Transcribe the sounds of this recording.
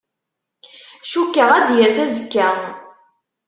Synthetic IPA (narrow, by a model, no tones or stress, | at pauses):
ʃukːəʁæd̪jæsæzəkːæ